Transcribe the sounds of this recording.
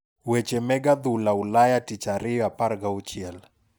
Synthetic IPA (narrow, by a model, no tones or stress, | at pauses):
wɛt͡ʃɛmɛɡad̪ulaulajatit͡ʃaɾɪjɔapaɾɡaut͡ʃjɛl